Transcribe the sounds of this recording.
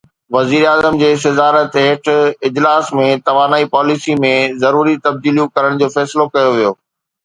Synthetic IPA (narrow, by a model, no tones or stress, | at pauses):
ʋɐziːɾaːzəmd͡ʑeːsɐzaːɾət̪ɦeːʈʰɪd͡ʑlaːsmẽt̪ɐʋaːnaːipaːlisimẽzɐɾuːɾit̪ɐb̚d̪iːlijũkɐɾəɽ̃d͡ʑoːfɛːslokɐjoʋijoː